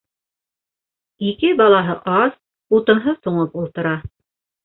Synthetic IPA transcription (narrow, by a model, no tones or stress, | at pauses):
ikɘbɑlˠɑɦɤʔɑz | ut̪ɤ̆nɦɤθuɴɤpulˠt̪ɤ̆ɾɑ